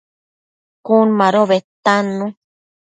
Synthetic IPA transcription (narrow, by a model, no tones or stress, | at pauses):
kunmãɾoβet̪anũ